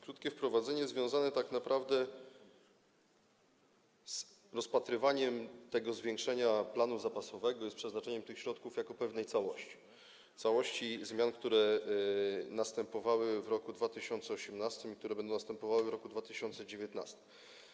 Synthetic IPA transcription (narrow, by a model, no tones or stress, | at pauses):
kɾut̪kʲɛfpɾɔvad̪zɛɲɛzvʲjɔ̃w̃zanɛt̪aknapɾʔavd̪ɛ | s | ɾɔspat̪ɾɘvaɲɛmt̪ɛɡɔzvʲjeŋkʂɛɲaplanuzapasɔvɛɡɔjɛst̪pʂɛznat͡ʂɛɲɛmt̪ɘxɕɾɔt̪kufjakɔpɛvnɛjt̪sawɔɕt͡ɕi̥ | t̪sawɔɕt͡ɕizmʲjankt̪uɾɛ | nast̪ɛmpɔvawɘvɾɔkud̪vat̪ɘɕɔnt̪sɛɔɕɛmnast̪ɘmik̚t̪uɾɛbɛnd̪̃nast̪ɛmpɔvawɘvɾɔkud̪vat̪ɘɕɔnt̪sɛd͡ʑevʲjɛt̪na̰st̪ɘ̥m